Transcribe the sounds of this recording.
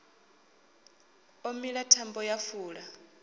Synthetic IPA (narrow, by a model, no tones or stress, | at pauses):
omiɺatʰambɔjafuːɺa